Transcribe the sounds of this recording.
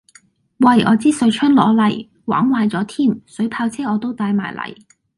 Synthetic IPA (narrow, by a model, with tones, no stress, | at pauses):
wɐ˨˩jɔ̰ː˨˧t͡siː˥sɵ˨˧ɥt͡ʃʰœ˥nlɔ̰ː˨˧˥lɐ˨˩j | wa̰ː˨˥ŋwaː˧jt͡sɔː˨˥t̪ʰiː˥˩msɵ˨˥ɥpʰaː˧wt͡sʰɛː˥ɔː˨˧t̪o˥wt̪aː˧jmaː˨˩jlɐ̰˨˩j